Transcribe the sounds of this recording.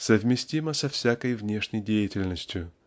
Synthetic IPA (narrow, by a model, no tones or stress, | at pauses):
səvmʲɪsʲtʲiməsɐfsʲakəjvnʲe̞ʂnʲəjdʲejɪtʲɪlʲnəsʲtʲjʊ